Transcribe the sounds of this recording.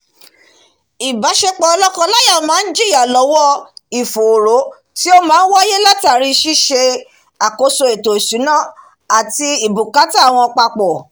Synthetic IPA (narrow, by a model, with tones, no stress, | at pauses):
i˨ba˨˦ʃe˧k͡pɔ˧ɔ˧lɔ˦kɔ̃˧la˦ja˦˨mãː˨˦n̩˦d͡ʒi˦˨ja˨lɔ˨˦wɔ˦i˨fo˨ɾo˨˦ | ti˦o˦mãː˨˦n̩˦wa˦je˦la˦ta˨ɾi˧˦ʃi˦ʃe˧ | a˨ko˧so˧e˨to˨i˨su˨˦nã˦˨ | a˨ti˧i˨bu˨ka˨˦ta˦˨w̃ɔ̃˧ɔ˧k͡pa˧k͡pɔ˨